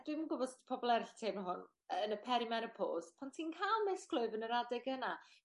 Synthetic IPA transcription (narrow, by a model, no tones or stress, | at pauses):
d̥wɪmənɡʊbɔspʰɔbɔlˠɛɾɪɬtʰeːmnəɦʊn | ənəpʰɛɾimɛnəpʰo̰ːspʰantʰiːnkʰaːlˠmɛskʰlˠoɨvənəɾadɛɡəna